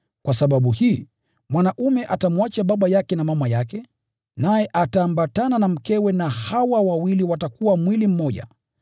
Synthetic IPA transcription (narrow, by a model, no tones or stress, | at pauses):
kwasaɓaɓuhiː | mwanaʔumɛʔatamwat͡ʃaɓaɓajakɛnamamajakɛ | najɛʔataːmbatananam̩kɛwɛnahawawawiliwatakuwamwilim̩mɔʄa̰